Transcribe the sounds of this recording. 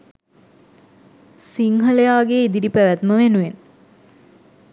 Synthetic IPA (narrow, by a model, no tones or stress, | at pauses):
siŋɦəlejaːɡeid̪iɾipæʋæt̪məʋenuʋen